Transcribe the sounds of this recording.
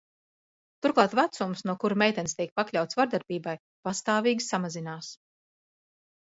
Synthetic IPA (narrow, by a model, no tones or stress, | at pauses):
t̪uɾklˠaːt̪vat̪sumsnuɔkuɾmʲɛjt̪ɛnst̪iɛk̚paklʲawt̪svaɾd̪aɾbiːbaj | past̪aːviːɡʲisamazinaːs